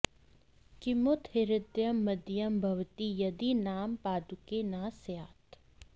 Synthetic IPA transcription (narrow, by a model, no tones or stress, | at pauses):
kɪmʊt̪hɪɾɪd̪jɐmːɐd̪jɐmbʱɐʋt̪ijɐd̪inaːmpaːd̪ukenaːsjaːt̪